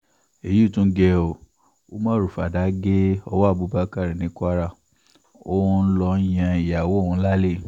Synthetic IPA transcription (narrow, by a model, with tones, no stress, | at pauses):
e˨ju˦˨tũ˦ɡɛ˧o˨ | o˦mãː˦ɾu˨fa˨da˨˦ɡe˦ɔ˧wa˦˨bu˨˦ba˦ka˦˨ɾi˨nĩ˨˦kʷa˦ɾa˦˨ | o˦n̩˦lɔ˧˦jã˧i˨ja˨wo˨˦˨ũ˧˦la˦le˦˨